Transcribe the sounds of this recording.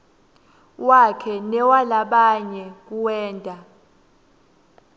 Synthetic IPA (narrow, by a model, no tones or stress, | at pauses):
wakʰɛnɛwalaɓaɲɛk̬uwɛːndʼʱa